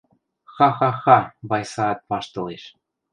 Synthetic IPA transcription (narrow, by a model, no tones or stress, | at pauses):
xɑxɑxɑβɑjsɑːt̪̚pɑʃt̪ɤ̆leʃ